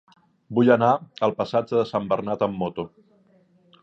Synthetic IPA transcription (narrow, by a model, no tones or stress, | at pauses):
bujənaəlˠpəsad͡ʒəðəsambərnat̪əmːot̪u